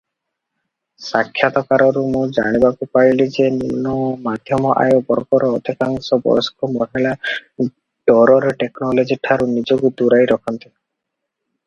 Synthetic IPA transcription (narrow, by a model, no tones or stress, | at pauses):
sakʰːjat̪ɔkaɾɔɾumũd͡ʒa̰ɽ̃ibakupaɾilid͡ʒeninɔmad̪ʱjɔmɔʔa̰jobɔɾɔkɔɾɔːd̪ʱikaŋsɔbɔ̰jɔskɔmɔɦila | ɖɔɾɔɾeʈeknɔlod͡ʒiʈʰaɾunid͡ʒoɡud̪uɾajɾɔkʰɔnt̪i